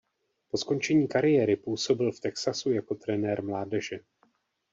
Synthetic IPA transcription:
po̞sko̞nt͡ʃɛɲiːkaɾɪjɛːɾɪpuːso̞bɪlft̪ɛksasujako̞t̪ɾɛnɛːɾmlaːdɛʒɛ

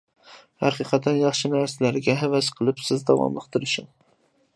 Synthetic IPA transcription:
hɑqiqʰɑt̪ænjɑχʃɪnæɾsalæɾɪɡʲɛɦævæsqʰəlˠɪpsɪzd̪ɑ̰wɑ̰mlˠɨqt̪ɨɾɪʃɪŋ

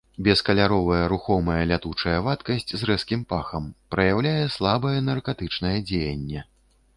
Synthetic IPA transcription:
bʲɛskɐlʲaɾɔvɐjɛɾuxɔmɐjɛlʲat̪ut͡ʂɐjɛvat̪kɐsʲt͡sʲzrɛskʲimpaxɐmpɾɐjawlʲajɛslˠabɐjɛnɐrkat̪ɨt͡ʂnɐjɛd͡zʲejɐnʲːɛ

